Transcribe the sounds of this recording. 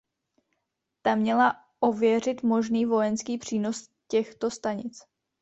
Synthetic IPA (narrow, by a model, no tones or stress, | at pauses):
t̪amɲɛla | ʔo̞vjɛr̝ɪt̪mo̞ʒniːvo̞jɛnskiːpr̝̥iːnos | cɛxt̪o̞st̪aɲɪt͡s